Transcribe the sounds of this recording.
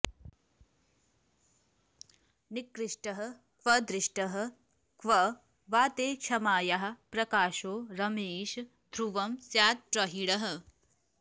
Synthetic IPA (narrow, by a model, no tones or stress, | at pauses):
nikɾiʂʈəɦə | kʋəd̪ɾiʂʈəɦə̆ | kʋɐ | ʋaːt̪eːt͡ʃʰɐmaːjaɦɐ̆pɾɐkaːʃoːɾɐmeːʃ | d̪ʱɾuʋɐmsjaːt̪̚ʈɾɐɦiɽɐɦə